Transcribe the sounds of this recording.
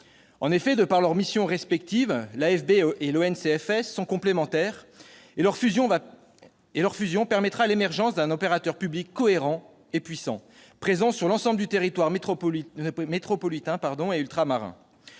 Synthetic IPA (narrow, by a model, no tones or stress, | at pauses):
ɑ̃nefɛd̪əpaʁlœʁmisjɔ̃ʁɛspɛk̚t̪ivlaɛfbeeloɛnseɛfɛsːɔ̃kɔ̃plemɑ̃t̪ɛːʁ | ʁfyzjɔ̃v | elœʁfyzjɔ̃pɛʁmɛt̪χalemɛʁʒɑ̃sd̪ɛ̃nɔpeʁat̪œʁpyblikːɔeʁɑ̃ | epɥisɑ̰̃ | pχezɑ̃syʁlɑ̃sɑ̃bld̪yt̪eʁit̪waʁm | met̪χɔpɔlit̪ɛ̃paʁd̪ɔ̃eylt̪χamaʁɛ̰̃